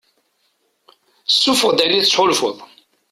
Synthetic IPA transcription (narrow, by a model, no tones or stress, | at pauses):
sːufəʁd̪ænit͡sːħʊlfʊ̰ðˤ